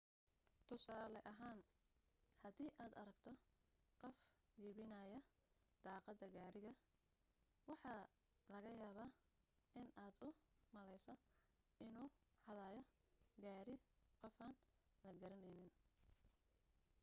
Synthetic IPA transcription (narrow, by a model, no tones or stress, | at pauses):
t̪ʰʊsaːlɛʔɐɦaːn | hɐd̪iːʔaːd̪ɐɾɐɡt̪ʰɔqɔfjɪːβɪnɐjɐ | d̪̥ɑːqɑd̪ɐɡaːɾɪɣɐ | wɑħɑː | lɐɣɐjaːβaː | ʔɪnaːd̪ʊmɐlɛjsɔ | ɪnuːhɐðaːjɔ | ɡaːɾɪqɔfɐːn | lɐɡɐɾɐnɛjnɪn